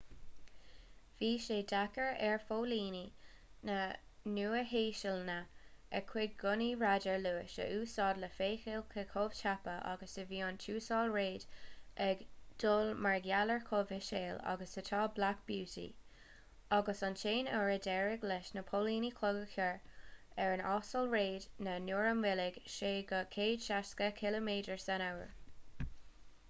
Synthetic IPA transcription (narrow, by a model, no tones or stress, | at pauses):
v̥iːʃeːdakəɹɛɹfoːliːni | nənuːəheːʃəlnəɛkʰw̥ɪɡ̚ɡʊniɹadəɹluːɪʃə̰ʔuːsɑːdləfeːxɪlkʰəkʰoːv̥t͡ʃʰapəʔa̰ɡəsəviːɑnt͡ʃʰuːsɑːlɹeːdʔɛɡd̪̥oːlmaɹɡjaləɹkʰoːvɪʃeːla̰ɡəsətʰɑːblakb̥juːtḭ | aɡəsɑnʃeːnɔɹədɛɹɪɡlɛʃnəpʰoliːnikʰlɔɡəkʰəɹ | ɛɹənɑːsəlɹeːdnənuːɹəmwɪlɪɡ̥ʃeːɡəkʰeːd̥ʃaskəkʰɪləmeːdəɹsanawə̰ɹ